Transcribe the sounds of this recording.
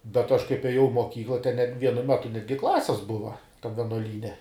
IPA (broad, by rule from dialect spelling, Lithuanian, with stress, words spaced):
bʲɛt ɐʃ kɐɪp ɛˈjɛʊ ɪ moːˈkʲiːklˠɐ tʲɛn nʲɛt ˈʋʲiɛnʊ ˈmʲæːtʊ ˈnʲæːdʲɡʲɪ ˈklˠɑːsʲɪs ˈbʊʋɐ tɐm ʋʲɛnuɔˈlʲiːnʲɛ